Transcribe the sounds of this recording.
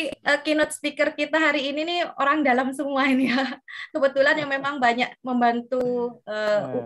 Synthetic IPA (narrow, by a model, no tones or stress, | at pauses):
ʔəkinɔt̪̚sə̥pikərkit̪aɦaɾiːninio̰ɾaŋdalamsəmuainjakəbət̪ulanjaŋmemaŋbaɲak̚məmbant̪uəu